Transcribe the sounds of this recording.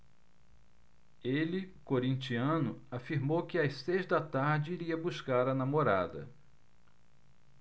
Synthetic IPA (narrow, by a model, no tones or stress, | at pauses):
elɪkoɾĩnt͡ʃiɐ̃nʊafiɾmowkɪasejzd̪ɐt̪aɾd͡ʒɪiɾiɐbuʃkaɾɐnamoɾa̰d̪ɐ̰